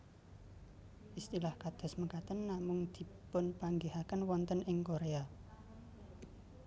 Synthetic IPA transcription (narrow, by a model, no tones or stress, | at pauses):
ʔist̪ilahkad̪̥ɔ̤sməkat̪ənːamʊŋd̪̥i̤pʊnpaŋɡihakənwɔnt̪ənɪŋkoɾea